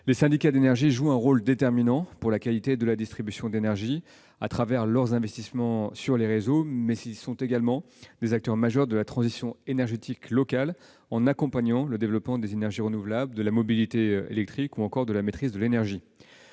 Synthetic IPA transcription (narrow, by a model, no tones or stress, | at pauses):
lesɛ̃d̪ikad̪enɛʁʒiʒuɛ̃ʁold̪et̪ɛʁminɑ̃puʁlakalit̪ed̪əlad̪ist̪χibysjɔ̃d̪enɛʁʒi | a̰t̪χavɛʁlœʁzɛ̃vɛst̪ismɑ̃syʁleʁezomɛzilsɔ̃t̪eɡalmɑ̃ | d̪̥ezak̚t̪œʁmaʒœʁd̪əlat̪χɑ̃zisjɔ̃enɛʁʒet̪iklɔkal | ɑ̃nakɔ̃paɲɑ̃ləd̪evlɔpmɑ̃d̪ezenɛʁʒiʁənuvlabld̪əlamɔbilit̪eḛlɛk̚t̪χikuɑ̃kɔʁd̪əlamet̪χizd̪əlenɛʁʒi